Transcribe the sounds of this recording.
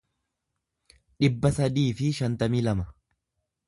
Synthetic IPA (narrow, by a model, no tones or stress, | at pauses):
ᶑɪbːɐsɐd̪iːfɪʃɐnt̪ɐmiːlɐmɐ